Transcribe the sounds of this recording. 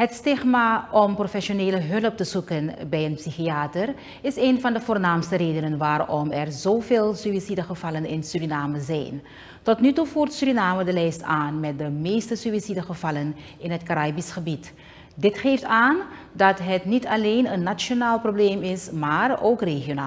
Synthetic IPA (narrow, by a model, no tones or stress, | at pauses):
ɦətstɪχmaːɔmprofɛsoneːləɦɵləp̚təz̥ukənbɛjənpsixiaːtər | ɪseːnvɑndəvʊːrnaːmstəreːdənənʋaːrɔmɛrzoːveːlˠsyisidəχəvɑlənɪnsyɾinaːməzɛ̰jn | tɔtnytufuːrtsyɾinaːmədəlɛjstaːnmɛt̚dəmeːstəsyisidəχəvɑlən | ɪnɦətkaɾaːbisχəbit | dɪtχeːftaːn | dɑtɦətnitɑlejnənːat͡ʃjonaːlˠprobleːmɪsmaːroːkreχjonaː